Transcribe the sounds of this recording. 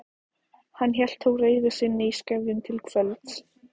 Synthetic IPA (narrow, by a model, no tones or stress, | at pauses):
hanːçjɛl̥t̪ʰːoːwreːjðʏsɪnːɪjskavðɪnt̪ʰɪlkʰv̥œlt̪s